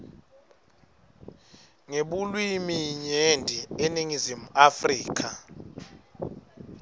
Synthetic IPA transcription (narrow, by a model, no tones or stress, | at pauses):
ŋeɓulwimijiɲendʱieniŋizimuafriːkʰa